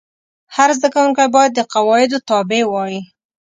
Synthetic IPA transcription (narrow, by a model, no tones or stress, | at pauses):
haɾzd̪akawuŋkajbɑjad̪ːəqawɑɪd̪ot̪ɑbewɑji